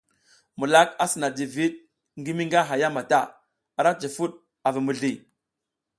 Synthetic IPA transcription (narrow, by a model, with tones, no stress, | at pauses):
mu˨la˦ka˦si˨na˨di˨vi˦ɗ̚ | ŋɡi˦mi˦ŋɡa˦ɦa˨ja˦ma˨ta˦˨ | a˨ɾa˦t͡ʃi˨fu˦ɗ | a˨vi˨mu˨ɮi˨